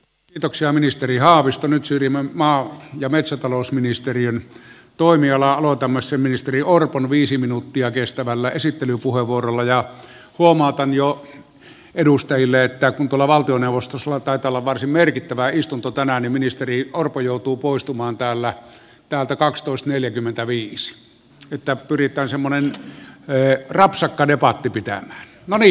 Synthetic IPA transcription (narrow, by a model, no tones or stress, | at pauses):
kiːt̪oksiɑminist̪erihɑːʋist̪onyt̪syːrjimːæmmɑːjɑmet̪sæt̪ɑloˑusminist̪eriøn | t̪oˑimiɑlɑɑlot̪ɑmːɑssemminist̪eriorponʋiːsiminut̪ːiɑkest̪æʋælːæesit̪ːelypuheʋuorolːɑjɑ | huomɑˑot̪ɑnjo | edust̪ɑjilːeet̪ːækunt̪uolɑʋɑlt̪ioneuʋost̪oslːɑt̪ɑˑet̪ɑˑolːɑʋʋɑrsimmerkit̪ːæʋæist̪unt̪ot̪ænænimminist̪eriorpojoˑut̪uːpoˑist̪umɑːnt̪æːlːæ | t̪æːlt̪ækɑkst̪oˑest̪neljækymːent̪æʋiːsi̥ | et̪ːæpyrit̪ˑæːnsemːonen | rɑpsɑkːɑdepɑt̪ːipit̪æ̰mæːnnoni